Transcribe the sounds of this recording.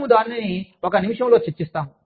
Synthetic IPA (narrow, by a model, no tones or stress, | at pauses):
mud̪aːnnɐniɔkɐnimiʂɐmlo̞ːt͡ʃɐt͡ʃːist̪aːmu